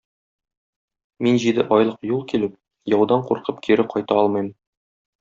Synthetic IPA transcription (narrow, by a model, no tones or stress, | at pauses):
minʑid̪ɘʔɒjlˠɤqjulˠkʲilɘp̚ | jɒwd̪ɑɴquɾqɤpkʰiɾɘqʰɒjt̪ɑɒlˠmɤjm